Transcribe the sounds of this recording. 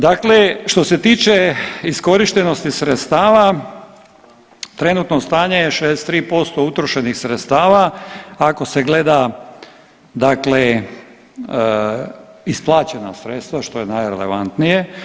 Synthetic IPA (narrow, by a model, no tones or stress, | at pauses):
d̪akleʃt̪o̞se̞t̪iːt͡ʃe̞isko̞ɾiʃt̪eno̞st̪isɾet̪st̪aːʋa | t̪ɾe̞nut̪nost̪aːɲejeʃeest̪ɾiːpo̞st̪o̞ut̪ɾoʃe̞nixsɾet̪st̪aːʋaː | ko̞seɡle̞d̪a | d̪akle | isplˠaːt͡ɕe̞na̰sɾet̪st̪ʋaʃt̪o̞jenajɾḛle̞̰ʋa̰nt̪nije̞